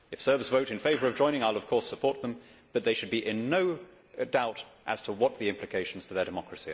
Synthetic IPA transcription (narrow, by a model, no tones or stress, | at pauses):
ɨfsɜ˞bsvoʊɾɨ̃nfeɪvə˞ʌvd͡ʒɔ̃ɪ̃ñɪ̃ŋaɪlˠʌv̥kʰɔɹsəpʰɔɹt̪̚ðə̃mb̥ʌt̪̚ðeɪʃɨd̚biʔɪ̃nːoʊ | daʊɾʔə̰z̥tʰəwʌt̪̚ðiɪ̃mpʰlɨkʰeɪʃn̩z̥fə˞ðə˞dɨmɑkɹɨsi